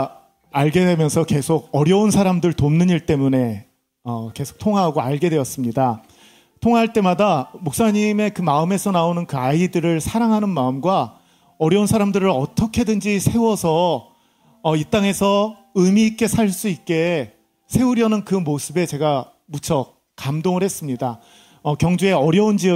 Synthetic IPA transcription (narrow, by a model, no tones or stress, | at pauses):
aɭɡe̞dwe̞mjʌnsʰʌke̞sʰoɡ̚ʌɾjʌunsʰaɾamdɯɭtomnɯɲiɭt͈e̞mune̞ | ʌke̞sʰo̥k̚tʰoŋaɦaɡoaɭɡe̞dwe̞ʌs͈ɯmɲida | tʰoŋɦaɦaɭt͈e̞madamok̚s͈aɲime̞kɯmaɯme̞sʰʌnaonɯnkɯaidɯɾɯɭsʰaɾaŋɦanɯnmaɯmɡwa | ʌɾjʌunsʰaɾamdɯɾɯɾʌt͈ʌkʰe̞dɯnd͡ʑisʰe̞wʌsʰʌː | it͈aŋe̞sʰʌ | ɯmik͈e̞sʰaɭs͈uit̚k͈e̞ | sʰe̞uɾjʌnɯnkɯmosʰɯbe̞t͡ɕe̞ɡa | mut͡ɕʰʌ | kamdoŋɯɭhe̞s͈ɯmɲida | ʌkjʌŋd͡ʑue̞ʌɾjʌund͡ʑi